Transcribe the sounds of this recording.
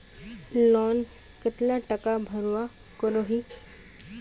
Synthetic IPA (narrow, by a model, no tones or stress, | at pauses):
lɔn | kət̪laʈəkabʱəɾʋa | kəɾoɦiː